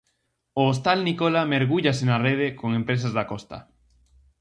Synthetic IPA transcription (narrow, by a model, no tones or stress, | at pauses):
oːs̬t̪alnikolameɾɣuʎasenareð̞ekoŋempɾes̬azðakost̪a̰